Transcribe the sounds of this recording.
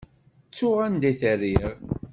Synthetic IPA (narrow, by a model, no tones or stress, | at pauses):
t͡sːʊʁænd̪æθərːiʁ